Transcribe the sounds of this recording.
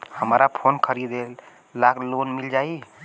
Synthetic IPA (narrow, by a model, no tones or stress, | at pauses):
həmɾapʰonkʰəɾid̪el | laɡlonmild͡ʒai